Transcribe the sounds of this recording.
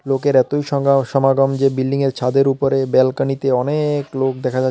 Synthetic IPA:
lokeɾɛt̪ojʃɔʃɔmaɡɔmd͡ʑebilːiŋeɾt͡ɕʰad̪eɾupoɾebɛlkanit̪eɔneklok̚d̪ɛkʰad͡ʑa

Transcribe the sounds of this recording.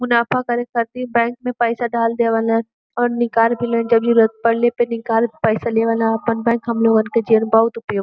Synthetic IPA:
mʊnaːfakɐɾẽkɐɾt̪iɛ̃bɛ̃ːŋk̚mẽpɛːsaɖaːld̪eːʋaːla | ɔːɾnɪkaːɾbʱilẽːd͡ʒɐbd͡ʒiɾɐt̪̚pɐɽlepenɪkaːɾpɛːsaleːʋaːlãɐpənbɛ̃ːŋkɦɐmloɡənked͡ʒiənbɐɦʊt̪ʊpjo

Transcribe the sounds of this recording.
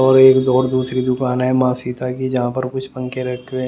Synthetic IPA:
ɔːɾeːkd̪ɔːɾd̪uːsɾid̪ʊkaːnɦɛmãːsiːt̪akid͡ʒɐɦãpɐɾkʊt͡ʃʰpɐ̃ŋkeɾɐʈkẽ

